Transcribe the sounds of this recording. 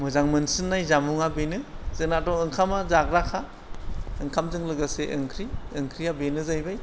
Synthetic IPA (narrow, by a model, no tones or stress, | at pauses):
mɯzaŋmɯnsɯnːajzamuŋabenɯzɯŋnatɔŋɯŋkʰamazak̚ɾakʰa | ɯŋkʰamzɯŋlɯɡaseʔɯŋkʰɾiɯŋkʰɾijabenɯzajbaj